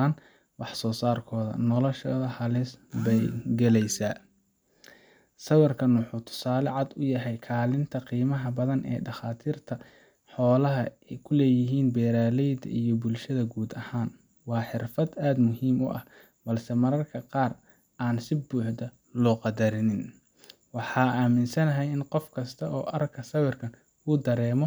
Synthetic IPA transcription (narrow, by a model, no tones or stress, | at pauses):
an | wɑħsɔːsaːrkʰɔːðɐ̰nɔlɔʃɔːðɐhɐlɪsbɛjɡɛlɛjsaː | sɐwɐrkʰɐnwʊħuːt̪ʰʊ̥saːlɛʕɑd̪ʊjɐɦɛjkʰaːlɪnt̪ʰɐqiːmɐɦɐbɐðɐnʔɛ̰ːɖɑχaːt̪ʰiːrt̪ʰɐ | ħɔːlɐɦɐɛjkʰʊlɛːjɪɦiːnbɛːɾaːlɛjd̪ɐ̰ʔijɞbʊlʃɐðɐɡuːd̪ɐhaːn | wɑːħɪrfɐd̪aːd̪mʊɦiːmʊ̰ʔɐ̰h | b̥ɐlsɛmɐɾɐrkʰɐqɑːr | ʔaːnsɪbuːħd̪ɐ | lɔːqɑd̪ɐɾɪnɪn | wɑħɑːaːmɪnsɐnɐɦɛjɪnqɔfkʰɐst̪ʰɐʔɔːʔɐrkʰɐsɐwɪrkʰɐn | ʊd̪ɐɾɛːmɔ